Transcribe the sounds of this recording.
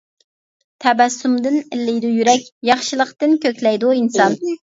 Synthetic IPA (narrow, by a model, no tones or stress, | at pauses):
t̪ʰɛbɛsːumd̪ɨnɪlːɪjd̪ujyɾɛkʲjɑχʃilˠəχt̪ɨnkʲøkʲlɛjd̪uinsɑn